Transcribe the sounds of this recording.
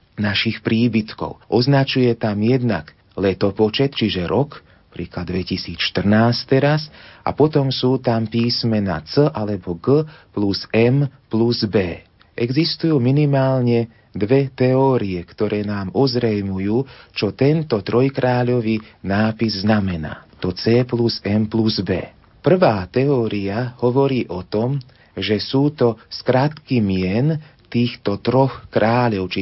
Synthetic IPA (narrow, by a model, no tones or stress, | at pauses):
naʃixpɾiːbit̪kɔ̰ʊʔɔznat͡ʃujɛt̪amjɛd̪naɡ | lɛt̪ɔpɔt͡ʃɛt̪t͡ʃiʒɛɾɔk | pɾiːklad̪ːʋɛcisiːt͡sʃt̪r̩naːst̪ːɛɾasʔa̰pɔt̪ɔmsuːt̪ampiːsmɛna̰t͡səʔalɛbɔɡəplusɛmpluzbɛː | ʔɛɡzist̪ujuːminimaːlɲɛ | d̪ʋɛt̪ɛɔːɾiɛkt̪ɔɾɛːnaːmɔzɾɛjmujuːt͡ʃɔt̪ɛnt̪ɔt̪ɾɔjkɾaːʎɔʋinaːpizznamɛna̰ːt̪ɔt͡sɛːpluzɛmpluzbɛ̰ː | pr̩ʋaːt̪ɛɔːɾiahɔʋɔɾiːʔɔt̪ɔm | ʒɛsuːt̪ɔskɾat̪kimɪɛnt̪iːxt̪ɔt̪ɾɔxkɾaːʎɔʊt͡ʃi